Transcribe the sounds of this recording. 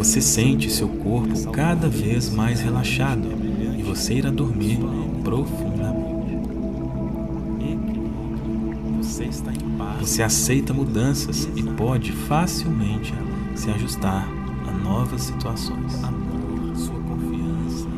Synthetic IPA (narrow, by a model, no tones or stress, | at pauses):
vosesẽnt͡ʃɪsewkoɾpʊkad̪ɐvezmajshelaʃad̪ʊ | ɪvoseiɾad̪oɾmiɾ | pɾofũd̪ɐmẽt͡ʃɪɪ | vosest̪ã | voseasejt̪ɐmud̪ɐ̃sɐsɪpɔd͡ʒɪfasiwmẽnt͡ʃɪ | sɪaʒust̪aɾ | ɐnɔvɐsːi̥t̪uasõ̰j̃s | suɐkõfiɐ̃sɐ